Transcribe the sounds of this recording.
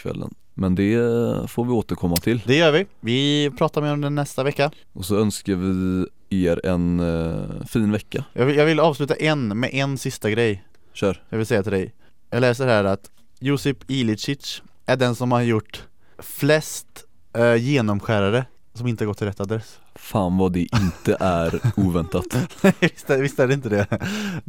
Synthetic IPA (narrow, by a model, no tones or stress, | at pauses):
kʰvɛ̰lːə̰n | mɛnd̪ɛfoːɾvɪoːt̪əɾkʰɔmːat̪ʰɪld̪ɛjœːɾvɪvɪpʰɾɑːt̪aɾmeːɾɔmd̪ɛnːɛst̪avɛkːa | ʔɔsɔœnskaɾvɪ | eːɾɛ̰n | fiːnvɛkːajɑːɡvɪjɑːɡvɪlɑːvslʉ̟ːt̪aʔɛnmɛ̰ʔɛnsɪst̪aɡɾɛj | ɕœːɾd̪ɛvɪlsɛjːat̪ɪld̪ɛj | jɑːɡlɛːsəɦæːɾat̪ | juːsəpɪlɪt͡ʃɪtʂ | ʔæɖɛnsɔmhaɾjʊʈː | flɛst̪ | jeːnɔmɧæːɾaɾə | sɔmɪnəhɾɡɔt̪ʰːɪlɾɛt̪ːad̪ɾɛsː | faːnvad̪ɛʔɪnt̪əʔæɾuːvɛnt̪at̪ɛɪst̪ɛvɪst̪æɖɛɪnt̪əd̪ɛ